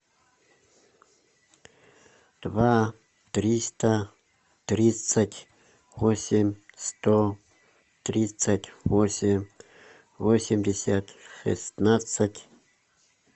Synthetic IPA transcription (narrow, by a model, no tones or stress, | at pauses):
d̪̥va | t̪rʲist̪ɐ | t̪rʲit̪sətʲ | vosʲemʲst̪o | t̪rʲit̪satʲvosʲemʲ | vosʲɪmʲdʲesʲat̪ʂɨ̰st̪nasətʲ